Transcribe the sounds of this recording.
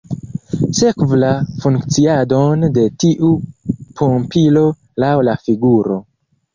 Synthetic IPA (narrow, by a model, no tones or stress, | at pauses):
se̞kvlafuŋkt͡siadonde̞tiʔupʰompilo̞ | lawlafiɡuɾo̞̰